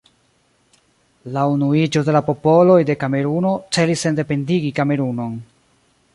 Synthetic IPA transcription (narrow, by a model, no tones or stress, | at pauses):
launuid͡ʒo̞de̞lapo̞po̞lo̞jde̞kame̞ɾuno̞t͡se̞lise̞nde̞pe̞ndiɡikame̞ɾuno̞n